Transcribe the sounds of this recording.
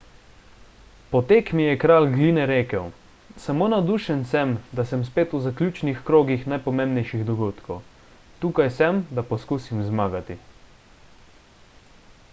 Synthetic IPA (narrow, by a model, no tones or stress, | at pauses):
pɔt̪eːkmijɛkɾaːlɡlinɛɾeːkɛw | samoːnad̪uːʃɛnsɛmd̪asɛmspeːt̪uzakljuːt͡ʃnixkɾoːɡixnajpɔmẽmbnɛjʃiɣd̪ɔɡoːt̪kɔw | t̪uːkajsɛmd̪apɔskuːsimzmaːɡat̪i